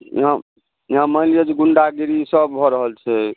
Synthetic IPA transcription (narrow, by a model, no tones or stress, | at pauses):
jḭɦã | jiɦãməɦlijəd͡ʒɡuɳɖaɡiɾisəb̚bʱɔɾəɦəlt͡ʃʰɛ